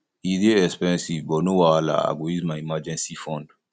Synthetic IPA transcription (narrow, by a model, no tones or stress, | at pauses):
iɾieɛspɛ̃nsivbɔnuwala̰a̰ɡoizmãimad͡ʒɛ̃nsifɔ̃nd